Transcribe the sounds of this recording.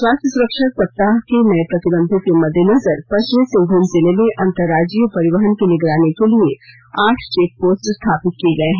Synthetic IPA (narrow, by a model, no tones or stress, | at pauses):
swaːst̪əsʊɾəkʃəsɐp̚t̪ːaːɦkenɐjəpɾɐt̪ɪbə̃nd̪ʱõkemɐd̪ʱːjənɐzəɾpɐʃʋəsɪ̃ŋɡʱɾənzɪlemẽʔɐ̃nt̪əɾːaːd͡ʒijpɐɾɪʋəɦənkinɪɡɾaːnekelie | aːʈʰt͡ʃeːk̚poːsʈst̪ʰaːpɪt̪̚kieɡɐeɦɛ̃ː